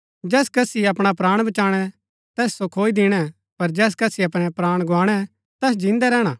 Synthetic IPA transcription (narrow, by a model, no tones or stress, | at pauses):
d͡ʒɛːskɐsiɐpɽ̃apɾaːɽ̃bɐt͡ʃaːɽ̃ɛ | t̪ɛːssokʰoːid̪ɪɽ̃ɛ | pɐɾd͡ʒɛːs̬kɐsiɐpɽ̃ɛpɾaːɽ̃ɡʱʊaːɽ̃ɛ | t̪ɛːs̬d͡ʒɪ̃nd̪ɛɾɛːɽ̃a